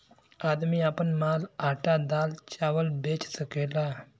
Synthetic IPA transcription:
aːd̪miːaːpənmaːlaʈad̪aːlt͡ʃaːʋəlbeːt͡ʃsəkeːla

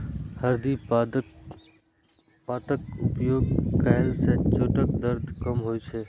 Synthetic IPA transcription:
həɾd̪i | paːt̪əkʊpjoːɡkaɦlset͡ʃoːʈəkd̪əɾd̪ʱkəmɦoːit͡ʃʰeː

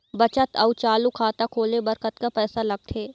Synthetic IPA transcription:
bɐt͡ʃət̪ɐʊt͡ʃaːlukʰaːt̪akʰoːlebɐɾkət̪kapɛːsalɐɡ̚t̪ʰeː

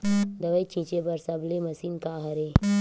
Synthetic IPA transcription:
d̪ɐʋəjt͡ʃʰĩt͡ʃebɐɾsɐblemɐsinkaːɦɐɾe

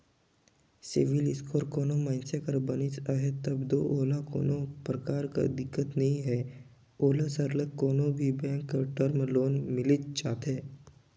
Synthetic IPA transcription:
sɪʋɪlɪskʰoːɾkoːnomaːɪnsekəɾbənɪt͡ʃaɦet̪əbd̪oʔoːlako̰ːnõpɾəkaːɾka̰d̪ɪkːət̪nɐɦĩɦɛ | oːlasəɾləkːoːnõbʱibɛ̃ːkːəʈəɾmloːnmɪlɪt͡ʃt͡ʃaːt̪e

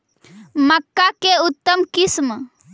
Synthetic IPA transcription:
məkːakeut̪ːəmkɪsm

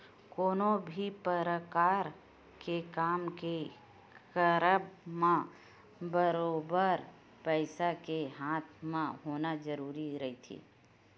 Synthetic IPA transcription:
koːnobʱipəɾəkaːɾ | kekaːmke | kəɾəbmã | bəɾoːbəɾ | pəɪsakeɦaːt̪ʰmẽɦoːnad͡ʒəɾuːɾiɾəɦit̪ʰḭː

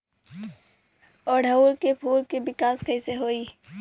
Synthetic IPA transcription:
ɔːɾɖʱɐuːlkepʰuːlkebɪkaːskɐĩseɦoːiː

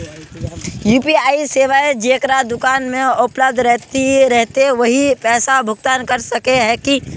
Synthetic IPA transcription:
juːpiaːiseːʋaed͡ʒeːkɾad̪ʊkaːnmẽʊpləb̚d̪ʱɾɛɦt̪iɾɛɦt̪eʋɐɦipɛːsabʱʊɡ̚t̪aːnkɐɾsɐkeɦɛ̃ki

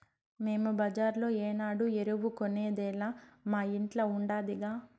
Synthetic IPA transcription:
me̞ːmubɐd͡ʒaːɾlo̞ːeːnaːɽueɾuʋukoneːd̪ɛːlaːmaːiɳʈlɐuɳɖaːd̪iɡaː

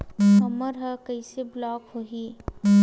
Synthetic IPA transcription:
ɐməɾɦɐkɐiseblɔːkɦoːɦiː

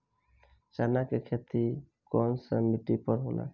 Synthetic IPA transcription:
t͡ʃanakekʰet̪i | kɔnsəmiʈipɔɾɦona̰

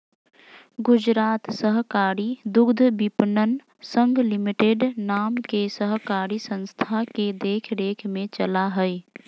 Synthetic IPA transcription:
ɡʊd͡ʒɾaːt̪səɦkaːɾid̪ʊɡd̪ʱbipnən | sə̃ŋɡʱlɪmiʈeɖnaːmkesəɦkaːɾisə̃nst̪ʰaked̪eːkʰd̪eːkʰmẽt͡ʃəlaɦəi

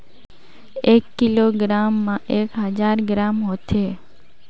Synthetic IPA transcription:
ekːiloɡɾamːãʔekɦəd͡ʒaɾɡɾamɦot̪ʰe

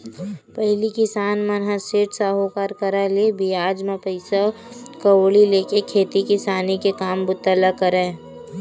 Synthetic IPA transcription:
pəɦlikɪsaːnmənɦaseːʈsaːɦokaːɾkəɾalebʱiaːd͡ʒmẽpəɪsa | kəoːɭileːkekʰeːt̪ikɪsaːnikekaːmbʊt̪ːələkəɾẽː

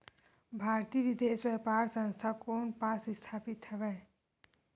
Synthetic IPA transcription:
bʱaɾt̪ibid̪eswepaɾsʌnst̪ʰakonpasist̪ʰapit̪t͡ʃʰʌba

